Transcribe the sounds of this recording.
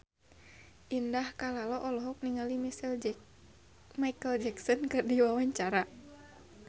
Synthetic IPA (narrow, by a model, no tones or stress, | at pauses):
ʔindahkalalɔʔɔlɔɦɔk̚niŋalimisl | maikəld͡ʒɛksɔnkɨrdiwawaɲt͡ʃaɾa